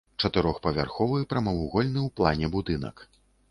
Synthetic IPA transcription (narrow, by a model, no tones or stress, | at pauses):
t͡ʂɐt̪ɨɾɔxpɐvʲa̰rxɔvɨjpɾɐmɐwuɣɔlʲnɨwplˠanʲɛbud̪ɨnɐ̰k